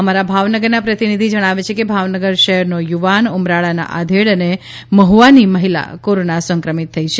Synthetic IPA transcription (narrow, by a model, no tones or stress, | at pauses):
əmaɾabʱaʋnəɡəɾnapɾət̪inid̪ʱid͡ʒəɽ̃aʋet͡ʃʰekebʱaʋnəɡəɾʃəɦɛɾnojuʋanumɾaɭana̰ʔa̰d̪ʱeɭəne | məɦuʋaniməɦila̰koɾonasəŋkɾəmit̪ʰːəit͡ʃʰe